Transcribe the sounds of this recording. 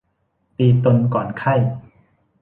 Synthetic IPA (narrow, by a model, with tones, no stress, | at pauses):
t̪iː˧t̪o˧nkɔː˨˩nkʰa˥˩j